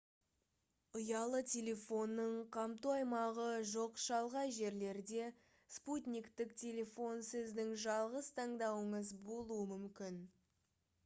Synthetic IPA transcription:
ʊjɑlˠət̪ʲʰe̞lʲe̞fo̞nːəɴqʰɑmt̪uɑjmɑʁəʒo̞qʃɑlˠʁɑjʒe̞ɾle̞ɾd̪e̞ | sput̪ʲnʲikt̪ɪkt̪ʲʰe̞lʲe̞fo̞nsɪzd̪ɪŋʒɑlˠʁəzt̪ʰɑɴd̪ɑwəɴəzbo̞lˠuəmʏmkʲɪn

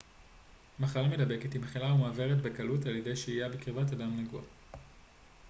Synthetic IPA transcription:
maχalamedabe̞ketimχilaumaːve̞ʁetbekalutaljede̞jʃeijabekʁivat̬adamneɡua̰

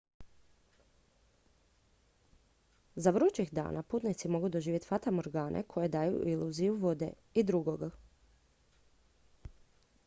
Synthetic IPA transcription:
zaʋɾut͡ʃixd̪a̰ːnʔapuːt̪nit̪simo̞ɡud̪o̞ʒiːje̞t̪fat̪amoɾɡaːnʔḛkʰo̞je̞d̪aːjṵʔiluːzijuʋo̞d̪ḛ | id̪ɾuɡoɡa

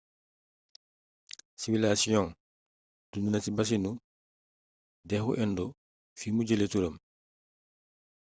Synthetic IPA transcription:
siwilasijɔ̃ŋ | d̥undunatibas̬inu | dɛxṵʔɛndɔ | fimuɟeletuɾam

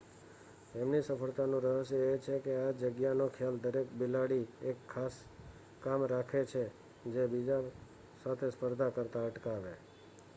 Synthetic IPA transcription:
emnisəfəɭt̪anũɾəɦəʃjəet͡ʃʰekead͡ʒəɡjanokʰjald̪əɾek̚bɪlaɽiekʰːas | kamɾakʰet͡ʃʰe | d͡ʒebid͡ʒa | sat̪ʰespəɾd̪ʱakəɾt̪aəʈkaʋe

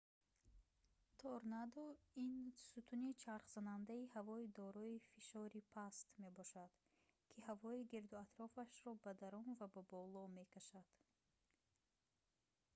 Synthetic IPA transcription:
t̪ʰɔɾnad̪ɔinsut̪ʰunit͡ʃʰaɾχz̥anand̪aihavɔid̪ɔɾɔifiʃɔɾipʰast̪me̞bɔʃad̪̥ | kʰihavɔiɡiɾd̪uat̪ɾɔfaʃɾɔbad̪aɾɔnvababɔlɔme̞kʰaʃad̪̥

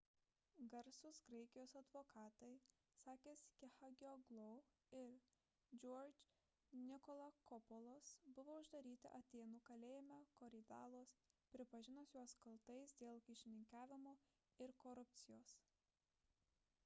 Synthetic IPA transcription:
ɡɐɾsʊsɡɾɐɪkʲɪjoːsɐd̪ʋoːkɑːt̪ɐɪ | sɑːkʲeːskʲɛxɐɡʲoɡlˠoʊ | ɪl | d͡ʒʲoːɾd͡ʒʲ | nʲɪkɔlˠɐkɔpɔlˠoːsbʊʋoːʊʒd̪ɐɾʲiːt̪ʲɪ̰ʔɐt̪ʲeːnuːkɐlʲeːjɪmʲɛkoːɾʲɪd̪ɑːlˠoːspʲɾʲɪpɐʒʲɪnosʲjuɔskɐlˠt̪ɐɪsd̪ʲeːlˠkʲɪʃʲɪnʲɪŋʲkæːʋʲɪmoː | ɪɾkɔɾʊp̚ʲt̪sʲɪjoːs

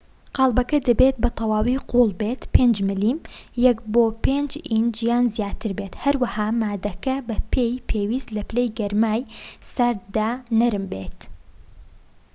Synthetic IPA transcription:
qɑːlˠbɐkɐd̪ɐbeːt̪̚bɨt̪ʰɑwaːwiːqʰuːlˠbet̪pʰeːnd͡ʒmɨliːmjɛkboːpeːnd͡ʒind͡ʒijaːnzijaːt̪ʰɨɾbet̪hɐɾwɐhaːmaːd̪ɐkɐbɐpʰeːjpʰeːwiːst̪lɐplejɡɐɾmaːjsɐɾd̪aːnɐɾɨmbḛːt̪

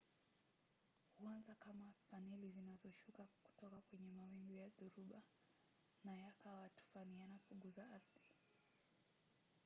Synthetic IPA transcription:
huanzakamafanɛlizinazɔʃukaku̥tɔkakwɛɲɛmawɛmɡjaðuɾuɓa | najakawatu̥fanijanapuŋɡuzaaɾði

